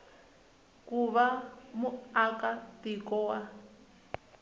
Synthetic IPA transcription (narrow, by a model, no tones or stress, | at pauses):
kuβamuakatikɔwa